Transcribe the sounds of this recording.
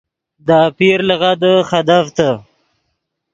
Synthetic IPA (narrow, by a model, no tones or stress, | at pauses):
d̪apiɾləɣad̪əxad̪aft̪a